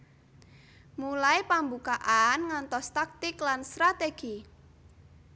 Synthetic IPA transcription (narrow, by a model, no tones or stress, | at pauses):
mulaipambukaʔanŋant̪ɔst̪ak̚t̪ɪklanst̪ɾat̪eɡ̥i